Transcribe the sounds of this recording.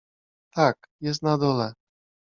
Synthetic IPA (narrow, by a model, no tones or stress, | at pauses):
t̪ak̚ | jɛs̬t̪̚nad̪ɔlɛ